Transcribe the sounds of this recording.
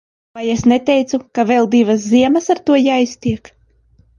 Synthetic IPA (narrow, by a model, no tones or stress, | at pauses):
vajesnet̪ɛjt̪sukavɛlˠd̪ivas̬ziɛmɐsaɾt̪uɔjaːist̪ʲiɛk